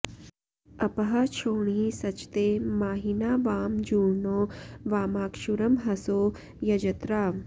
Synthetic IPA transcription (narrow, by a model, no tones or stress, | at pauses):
ɐpɐɦɐt͡ʃʰoːɳisɐt͡ʃt̪eːmaːɦinaːʋaːmd͡ʒuːɽnoːʋaːmaːkʃuɾɐmɦɐsoː | jɐd͡ʒɐt̪ɾaː